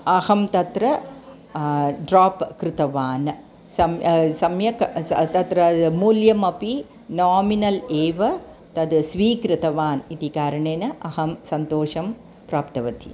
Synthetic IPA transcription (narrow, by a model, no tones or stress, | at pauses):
ɐhɐmt̪ɐt̪ɾɐ | ɖɾaːpkɾɪt̪ɐʋaːn | sɐmsɐmjɐkt̪ɐt̪ɾɐmuːljɐmɐpi | naːminɐleːʋɐ | t̪ɐd̪sʋiːkɾɨt̪ɐʋaːnit̪ikaːɾɐɳeːnɐʔɐɦɐmsɐnt̪oːʂɐm | pɾaːpt̪ɐʋɐt̪ḭ